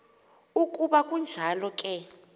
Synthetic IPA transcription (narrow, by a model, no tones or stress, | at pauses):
ukʼuɓakʼund͡ʒʱalɔkʼɛ